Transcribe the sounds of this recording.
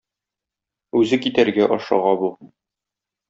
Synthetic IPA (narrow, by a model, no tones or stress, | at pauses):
ʉzɘkit̪æɾɡæʔɒʃɑ̰ʁɑbu